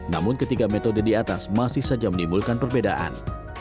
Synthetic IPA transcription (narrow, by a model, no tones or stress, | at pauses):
na̰mʊnkət̪ikamet̪odədiat̪asmasɪhsad͡ʒamənimbulkanpərbeda̰ʔa̰n